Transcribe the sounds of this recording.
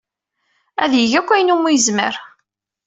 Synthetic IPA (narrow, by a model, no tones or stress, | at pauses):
æðjəʝækʷːæjənumːujəzməɾ